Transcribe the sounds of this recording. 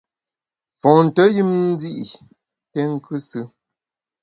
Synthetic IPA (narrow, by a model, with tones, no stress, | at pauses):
fɔ̃˨n̩˨tə˦ji˦m˦zi˦ʔi˨ | tɛ˦ŋ̩˦˨kʉ˦sɨ˦